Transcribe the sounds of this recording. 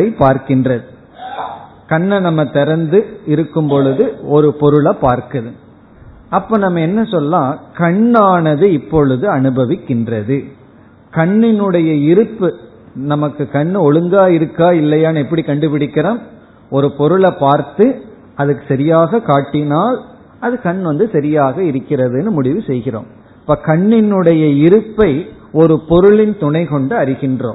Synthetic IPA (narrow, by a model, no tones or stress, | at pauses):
ɐɪpaːɾkɪndrɐðɯ | kɐɳːɐnɐmːɐt̪ɛɾɐnd̪ɯɪɾɯkːɯmpɔɭɯðɯɔɾɯpɔɾɯɭɐpːaːɾkɐðɯ | ɐpːoːnɐmːɐɛnːɐsɔlːãːkɐɳːaːnɐðɯɪpːɔɭɯðɯɐnɯbɐʋɪkːɪndrɐðɯ | kɐɳːɪnɯɽɐjɐɪɾɯpːɯ | nɐmɐkːɯkɐɳːɔɻɯŋɡaːɪɾɯkːaːɪlːɐjaːnɐɛpːɐɽikɐɳɖɯpɪɽɪkːɪɾɐm | ɔɾɯpɔɾɯɭɐpːaːɾt̪ɯ | ɐðɯkːɯ̥sɐɾɪjaːɣɐkaːʈːɪnaːl | ɐðɯkɐɳːʋɐnd̪ɯsɐɾɪjaːɣɐɪɾɯkːɪrɐðɯnːɯmʊɽɪʋɯsɛjɣɪro̰ːm | ɐpːɐːkɐɳːɪnɯɽɐjɐɪɾɯpːɐɪ | ɔɾɯpɔɾɯɭɪnt̪ʊɳɐɪkɔɳɖɯɐɾɪɣɪndro̰ː